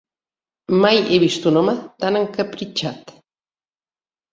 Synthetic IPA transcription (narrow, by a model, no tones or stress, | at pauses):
majeβist̪unomat̪anaŋkapɾit͡ʃat̪